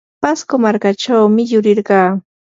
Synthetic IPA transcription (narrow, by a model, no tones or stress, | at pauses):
paskomaɾkaʈ͡ʂawmɪjʊɾɪɾɢɑː